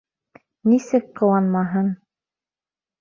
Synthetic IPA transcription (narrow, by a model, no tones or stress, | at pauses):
nisɘkqɤ̆wɑnmɑɦɤɴ